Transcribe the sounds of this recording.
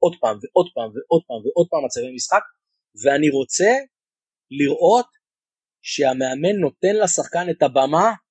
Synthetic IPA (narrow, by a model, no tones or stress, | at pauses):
o̞dpaːmveʔo̞d̪paːmveʔo̞d̪̚paːmveʔo̞d̚paːmat͡savejmisχak | veaniʁo̞t͡se̞ | liʁʔo̞t̪ | ʃeame̞ame̞nːo̞te̞nlasaχkane̞t̪abama